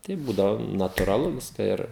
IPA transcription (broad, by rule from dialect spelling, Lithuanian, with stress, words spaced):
tɐɪ ˈbuːdɐʋoː nɐtʊrɐˈlˠʊ ˈʋʲɪskɐ ˈɪr